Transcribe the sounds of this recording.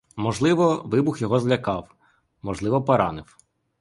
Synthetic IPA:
mɔʒlˠɪʋɔʋɪbʊxjɔɦɔzlʲɐkɑw | mɔʒlˠɪʋɔpɔɾɑnɪw

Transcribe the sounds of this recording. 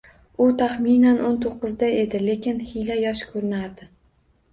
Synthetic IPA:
ʊt̪ʰaχminanʔont̪ʰoqːɨzd̪ae̞d̪ɪle̞kʲɪnhilajɒʃkʰɵɾɪnaɾd̪ɪ

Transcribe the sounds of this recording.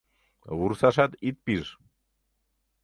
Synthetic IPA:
vuɾθasat̪it̪̚piɾ

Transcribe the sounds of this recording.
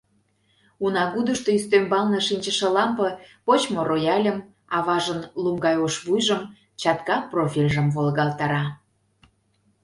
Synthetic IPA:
unɑɣud̪əʃt̪oyst̪ømbɑlnə̆ʃinʲt͡ɕə̆ʃə̆lɑmpɤ̆pot͡ɕmoɾojɑlʲəm | ɑβɑʒənlumɡɑjoʃβujʒə̆m | t͡ɕɑt̪kɑprofʲilʲʒə̆mvolɣɑlt̪ɑɾɑ

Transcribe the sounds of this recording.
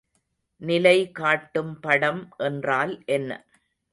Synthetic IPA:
nɪlɐɪkaːʈːɯmpɐɽɐmʔɛndraːlʔɛnːɐ̰

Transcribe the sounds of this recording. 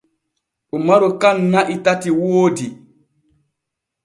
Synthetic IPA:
ʔumaɾɔkanːaʔitatiwoːdi

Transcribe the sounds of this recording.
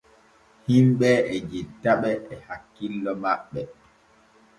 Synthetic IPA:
himɓɛɛd͡ʒitːaɓɛːhakːilːɔmaɓːɛ

